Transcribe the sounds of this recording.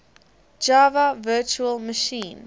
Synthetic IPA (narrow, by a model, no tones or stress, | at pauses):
d͡ʒavəvɜːˑt͡ʃuəlˠməʃĩːn